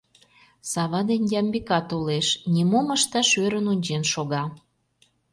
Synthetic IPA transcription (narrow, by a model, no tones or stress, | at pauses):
sɑβɑd̪enʲjɑmbikɑt̪oleʃnʲimoməʃt̪ɑʃøɾənunʲt͡ɕenʃoɣɑ